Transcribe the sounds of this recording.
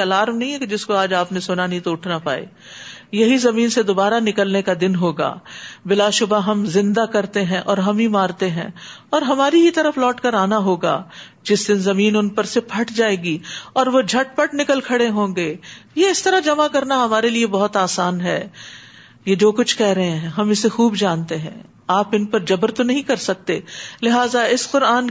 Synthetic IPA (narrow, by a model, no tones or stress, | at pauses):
ɐlaːɾmnɐɦĩɦɛked͡ʒɪskoaːd͡ʒaːpnesʊnanɐɦĩt̪oʊʈʰnapa̰ːḛː | jɐɦizɐmiːnsed̪obaːɾanɪkəlnekad̪ɪnɦoːɡa̰ːbɪlaːʃʊbaɦɐmzɪ̃nd̪akɐɾt̪eɦɛ̃ʔɔːɾɦɐmɦimaːɾt̪eɦɛ̰̃ | ɔːɾɦɐmaːɾiɦit̪ɐɾəflɔːʈkɐɾaːnaɦoːɡa̰ː | d͡ʒɪsd̪ɪnzɐmiːnʊnpɐɾsepʰɐʈʰd͡ʒaːeːɡiɔːɾʋod͡ʒʱɐʈ̚pɐʈnɪkəlkʰɐɽeɦõːɡeːjeɪst̪ɐɾad͡ʒɐmakɐɾnaɦɐmaːɾeliebɐɦʊt̪aːsaːnɦɛː | jeːd͡ʒoːkʊt͡ʃʰkɛɦɾɐɦẽɦɛ̃ɦɐmɪsexuːbd͡ʒãːnt̪eɦɛ̰̃ː | aːpɪnpɐɾd͡ʒɐbəɾt̪onɐɦĩkɐɾsɐk̚t̪eːlɪɦaːzaɪsqʊɾaːn